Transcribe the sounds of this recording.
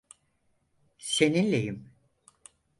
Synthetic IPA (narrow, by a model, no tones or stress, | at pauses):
se̞ninlʲejim